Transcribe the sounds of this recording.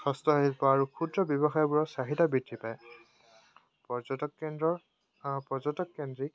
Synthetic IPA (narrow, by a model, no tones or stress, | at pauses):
xɔstɔɦilpɔaɹukʰudɹɔbjɔbɔxajɔbuɹɔsaɦitabitːipaj | pɔɔnɔ | pɔzɔtɔkːendɹik̚